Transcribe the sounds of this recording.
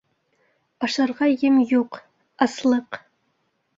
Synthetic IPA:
ɑʃɑɾʁɑjɘmjuq | ɑslˠɤq

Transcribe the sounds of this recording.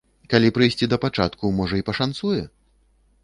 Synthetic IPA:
kalʲipɾɨjsʲt͡sʲid̪ɐpat͡ʂa̰t̪kumɔʐɐipɐʂansujɛ

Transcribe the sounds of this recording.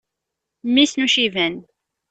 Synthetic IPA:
mːisnuʃivæn

